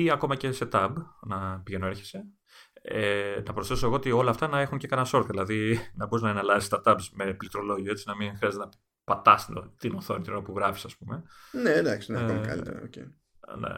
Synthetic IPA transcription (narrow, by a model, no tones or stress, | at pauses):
iɐko̞mɐce̞se̞t̪ɐbnɐpiʝenoeɾçe̥se | enɐpɾosθesoeɣoot̪io̞lɐːft̪ɐnɐe̞xunce̞kɐnɐso̞ɾt̪ðilɐðinɐbuznɐenɐlɐzist̪ɐt̪ɐbzme̞plit̪ɾolo̞ʝie̞t͡sinɐminxɾiɐzeenɐ | pɐt̪ɐst̪inoθo̞nit̪inoopuɣɾɐfi̥sɐspume̞ned̪ɐksinolɐ̰lit̪ḛɾɐ̰ocḛ | nḛ